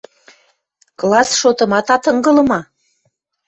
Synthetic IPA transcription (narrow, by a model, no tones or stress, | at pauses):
klɑsʃot̪ɤ̆mɑt̪ɑt̪ɤŋɡɤ̆lɤ̆mɑ